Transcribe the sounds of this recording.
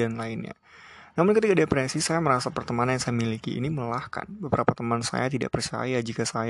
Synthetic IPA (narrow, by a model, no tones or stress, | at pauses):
anlaɪnɲa̰ | namʊnkət̪̬ikadepɾɛsisajaməɾasapərt̪əmaanjaŋsajamilikḭːnimələlahka̰nbəbəɾapat̪əmansa̰jat̪ida̰ʔpərt͡ʃa̰jad͡ʒikasaj